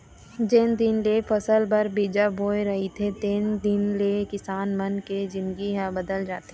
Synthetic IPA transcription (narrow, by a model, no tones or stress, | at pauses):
d͡ʒeːnd̪ɪnlefɐsəlbɐɾbid͡ʒaboːeɾɐɦit̪ʰet̪eːnd̪ɪnlekɪsaːnmɐnked͡ʒɪ̃nɡiɦabɐd̪əld͡ʒaːt̪e